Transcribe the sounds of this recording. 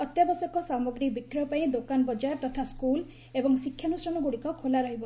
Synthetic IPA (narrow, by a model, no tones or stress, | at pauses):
ɔt̪jabɔsɔkɔsamɔɡɾik̚bikɾɔpaĩd̪okanbɔd͡ʒaɾt̪ɔt̪ʰaskul | ebɔŋsikʰːjanusɾɔnɔɡuɽikɔkʰolaɾɔɦibɔ